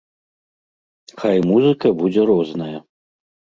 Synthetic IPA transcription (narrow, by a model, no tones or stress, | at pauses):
xajmuzɨkɐbud͡zʲɛɾɔznɐjɐ